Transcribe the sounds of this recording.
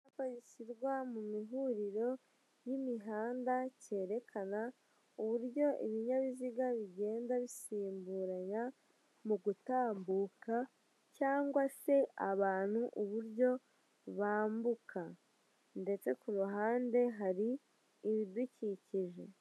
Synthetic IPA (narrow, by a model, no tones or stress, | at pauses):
apaɲisiɾɡwamumiɦuɾiɾo̞ | jimiɦaːndace̞ːɾe̞kʰana | uβuɾɟo̞ʔiβiɲaβiziɡaβiɟe̞ːndaβisiːmbuɾaɲa | muɡutaːmbuka | caːŋɡwase̞aβaːn̥huʔuβuɾɟo̞ | βaːmbukʰa | nde̞t͡se̞kuɾuɦaːnde̞ɦaɾiː | βiduciciʒe̞